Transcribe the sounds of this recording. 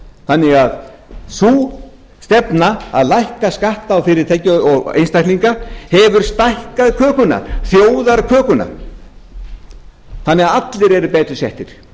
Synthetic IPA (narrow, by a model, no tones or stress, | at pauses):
θanːɪɣað | suː | st̪ɛpnaa̰ðlajhkaskaht̪awfɪɾɪɾ̥t̪ʰɛjcːʏɔɣḛjnst̪ajk̪liŋkahɛvʏɾ̥st̪ajhkaðkʰœːkʏna̰ɾ̥θjoːwðaɾkʰœːkʏna̰ɾ | θanːɪɣaðat̪lɪɾɛɾʏpɛːt̪ɾʏsɛht̪ɪɾ̥